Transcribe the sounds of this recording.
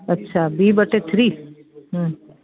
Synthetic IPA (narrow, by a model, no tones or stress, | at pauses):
ɐtːʃʰabibəʈet̪ʰɾiː | ɦ